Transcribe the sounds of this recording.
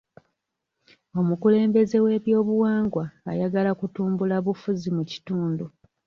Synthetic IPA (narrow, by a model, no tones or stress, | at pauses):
o̞mukule̞ːmbe̞ze̞we̞ːβjo̞ːβuwaːŋɡwaːjaɡalakutuːmbulaβufuzimuci̥tuːndu